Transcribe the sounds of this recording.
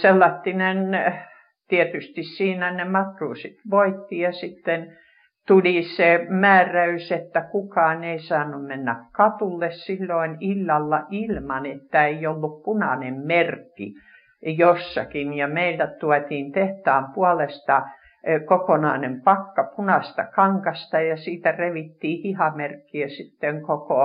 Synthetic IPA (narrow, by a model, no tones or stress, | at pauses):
selːɑt̪ːinen | t̪iet̪yst̪issiːnænemɑkruːsit̪ʋoit̪ːijɑsit̪ːen | t̪ulisemæːræyset̪ːækukɑːneisɑːnːummenːækkɑt̪ulːessilːoinilːɑlːɑʔilmɑnet̪ːæeijolːuppunɑnemmerkːḭ | josːɑkinjɑmeilt̪æt̪uɑt̪iːnt̪eht̪ɑːmpuɑlest̪ɑ | kokonɑˑːnempɑkːɑpunɑst̪ɑkɑŋkɑst̪ɑjɑsiːt̪æreʋit̪ːiːhihɑmerkːiæsit̪ːeŋkoko